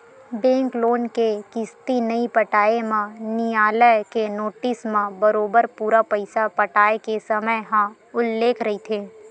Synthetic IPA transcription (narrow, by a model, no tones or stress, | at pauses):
bɛ̃ːŋkloːnkekɪst̪inɐipɐʈaːemãnijaːləjkenoːʈɪsmãbɐɾoːbəɾpuːɾapɐɪsapɐʈaːekesɐməjɦã | ʊlːeːkʰɾɐɦit̪ʰeː